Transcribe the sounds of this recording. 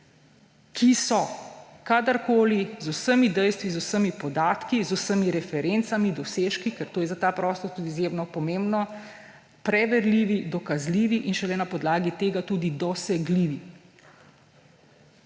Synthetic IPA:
kʰisɔkad̪əɾkoːlizusəmid̪ɛjst̪ʋizusəmipɔd̪aːt̪kizusəmiɾɛfɛɾent̪samid̪ɔseːʃkikɛɾt̪oːjɛzat̪aːpɾɔst̪ɔɾt̪uːd̪iːzjemnɔpɔmembnɔ | pɾɛʋɛɾliːʋid̪ɔkazliːʋiʔinʃɛlɛnapɔd̪laːɡit̪eːɡat̪uːd̪id̪ɔsɛɡliːʋi

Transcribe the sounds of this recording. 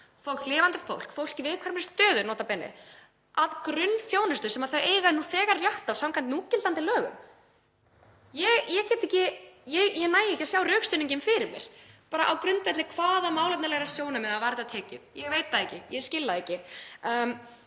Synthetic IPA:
fowl̥klɪːvant̪ɪfo̰wl̥kfowl̥cɪvɪðkʰvaɾmɪɾst̪œːðʏnɔːt̪apɛːnɪ̰ | aðkɾʏnθjoːwnʏst̪ʏsɛmaðθaɥeːjɣaðnuθɛːɣaɾrjaht̪awsamkʰvannuːcɪlt̪ant̪ɪlœːɣʏ̰m | jɛjɛcɛːt̪ɛcɪjɛjɛnaːjɛcasjaːwrœːkst̪ʏniɲcɪmfɪɾɪɾmjɛ̰ɾ̥paːɾa̰ʔawkɾʏnt̪vɛt̪lɪkʰv̥aːðamaːwlɛt̪naɾlɛɣɾasjoːwnamɛðaðvaɾt̪at̪ʰɛːcɪ̰ðjɛɣveːjt̪aɛcɪjɛscɪlːaðecɪm

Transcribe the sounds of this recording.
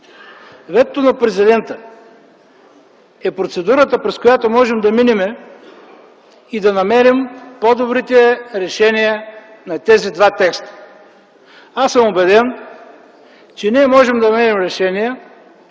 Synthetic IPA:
vɛt̪t̪ːonɐpɾɛzid̪ɛnt̪ə | ɛpɾot̪sɛd̪uɾət̪əpɾɛskojat̪omɔʒɛmd̪ɐminimɛ | id̪ɐnɐmɛɾimpod̪obɾit̪ɛɾɛʃɛniə | nɐt̪ɛzid̪vat̪ɛkst̪ə̥ | asəmobɛd̪ɛn | t͡ʃɛniɛmɔʒɛmd̪ɐmɛɾɛmɾɛʃɛniə

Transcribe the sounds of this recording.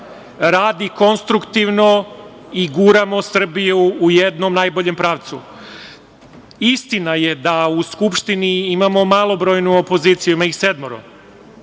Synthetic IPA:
ɾaːd̪iko̞nst̪ɾukt̪iʋno̞ | iɡuɾamo̞sr̩bijuːjed̪no̞mnaːjboʎe̞mpɾaːʋt̪su | ist̪inaje̞d̪auskupʃt̪iniimamo̞malˠo̞bɾo̞jnuopo̞ziːt̪sijuimaixsed̪moɾo̰

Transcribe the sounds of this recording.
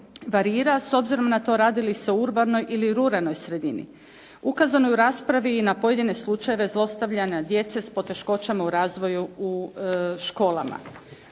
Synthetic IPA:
ʋaɾiːɾaso̞bziɾo̞mnat̪o̞ɾaːd̪iliseouɾbano̞jʔiliɾuɾano̞jsɾe̞d̪inḭ | ukazano̞juɾaːspɾaʋiːnapo̞je̞d̪ine̞slˠut͡ʃaje̞ʋe̞zlˠo̞st̪aʋʎanad̪je̞t̪se̞spo̞t̪e̞ʃko̞t͡ʃamauɾaːzʋo̞juuʃko̞ːlˠa̰ma̰

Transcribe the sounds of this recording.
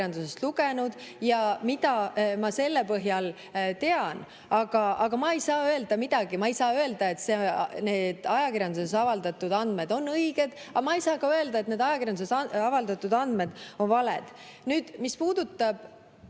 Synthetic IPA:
ɑnd̪use̞st̪luɡ̥enud̪̥jɑmid̪ɑmɑse̞lːepɤɦjɑl | t̪e̞ɑn | ɑɡ̥ɑʔɑɡ̥ɑmɑe̞jsɑːø̞e̞ld̪ɑmid̪̥ɑɡ̥imɑejsɑːø̞e̞ld̪̥ɑe̞t̪sene̞ːd̪̥ɑjɑkiɾjɑnd̪usesɑvɑld̪̥ɑt̪ːˑud̪ɑnd̪me̞d̪o̞nːɤjɡ̥e̞d̪̥ɑmɑejsɑːkɑø̞e̞ld̪ɑe̞t̪ne̞ːd̪ɑjɑkirjɑnd̪usesɑvɑld̪ɑt̪ːˑud̪ɑnd̪me̞d̪̥o̞nvɑlḛd̪̥ | nyːd̪̥mispuːd̪̥ut̪ːˑɑb̥

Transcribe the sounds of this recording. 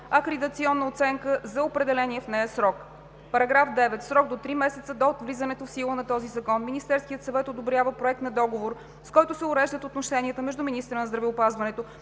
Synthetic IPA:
ɐkɾid̪ət̪siɔnːəot̪sɛŋkəzɐopɾɛd̪ɛlɛniɛfnɛjəsɾɔk | pɐɾɐɡɾafd̪ɛvɛt̪sɾɔɡd̪ot̪ɾimɛsɛt̪səd̪ot̪vlizənɛt̪ofsilˠənɐt̪ɔzizɐkɔnminist̪ɛɾskijət̪sɐvɛt̪od̪obɾjavəpɾoɛk̚t̪nɐd̪ɔɡovoɾ | skɔjt̪ʊsɛʊɾɛʒd̪ət̪ot̪noʃɛniət̪əmɛʒd̪uminist̪ɾənɐzd̪ɾɐvɛopazvɐnɛt̪o

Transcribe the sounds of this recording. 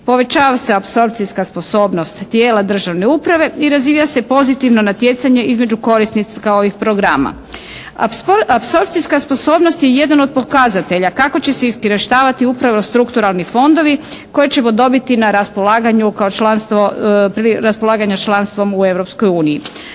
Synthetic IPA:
po̞ʋe̞t͡ɕaːʋaseapso̞ɾp̚t̪siskaspo̞so̞ːbno̞st̪ːjeːlad̪r̩ʒaʋne̞upɾaʋe̞iɾaziːjase̞po̞zit̪iʋno̞nat̪je̞t̪saɲe̞izmed͡ʑuko̞ɾisnit̪skao̞ʋixpɾo̞ɡɾaːma̰ | apso̞ɾp̚t̪siskaspo̞so̞ːbnost̪je̞je̞d̪ano̞d̪̚po̞kazat̪e̞ʎakako̞t͡ɕe̞seiskiɾeʃt̪aːʋat̪iupɾaʋo̞st̪ɾukt̪uɾalˠnifo̞nd̪o̞ʋiko̞jet͡ɕe̞mo̞d̪o̞bit̪inaɾaspo̞laːɡaɲukaot͡ʃlanst̪ʋo̞pɾiɾaspolaːɡaɲat͡ʃlˠanst̪ʋo̞mue̞ʋɾo̞pskojuːniji

